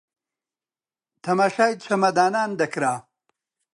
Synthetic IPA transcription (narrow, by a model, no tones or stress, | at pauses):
t̪ʰɐmɐʂajt͡ɕʰɐmɐd̪aːnaːnd̪ɐkɾaː